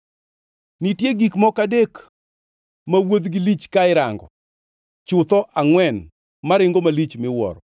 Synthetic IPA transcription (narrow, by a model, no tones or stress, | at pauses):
nitjeɡikmɔkadek | mawod̪ɡɪlit͡ʃkaɪɾaŋɡɔ | t͡ʃʊt̪ɔʔaŋwɛn | maɾɪŋɡomalit͡ʃmɪwɔ̰ɾɔ